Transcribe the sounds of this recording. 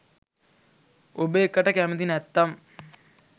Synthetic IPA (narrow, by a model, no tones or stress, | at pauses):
obeːkːɐʈːɐkæmɐd̪inɛt̪ːɐm